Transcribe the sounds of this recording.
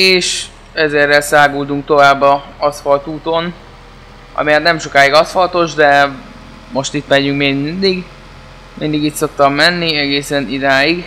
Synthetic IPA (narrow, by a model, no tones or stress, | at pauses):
eːʃ | ɛzɛrːɛlsaːɡuːd̪uŋk̚t̪o̞vaːbːɒɒsfɒlt̪uːt̪o̞n | ɒ̰miɛt̪nɛmʃo̞kaːiɡɒsfɒlt̪o̞ʒd̪ɛ | mo̞ʃt̪it̪mɛɟyŋkmeɡmind̪iɡ | mind̪iɡit̪so̞kt̪ɒmːɛnːiɛɡeːsɛnid̪aːjiɡ